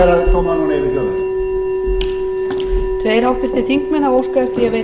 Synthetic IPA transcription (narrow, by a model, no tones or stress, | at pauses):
ɛɾaðk̪ʰɔːmanuneːjvɪɾçɔðɪ | t̪ʰveːjɾ̥awht̪ɪɾ̥θɪ̥θiŋ̥kmɛnːaoːwskaɾ̥t̪ɪɛve